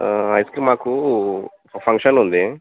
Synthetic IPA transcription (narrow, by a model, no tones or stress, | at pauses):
ɐjskɾimaːku | pʰɐŋkʂɐnund̪i